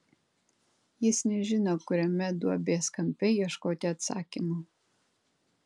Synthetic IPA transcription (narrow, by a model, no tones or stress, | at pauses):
jɪsnʲɛʒʲɪnoːkʊɾʲɛmʲɛd̪uɔbʲeːskɐmʲpʲɛiɛʃkoːt̪ʲɪɐt̪sɑ̰ːkʲimu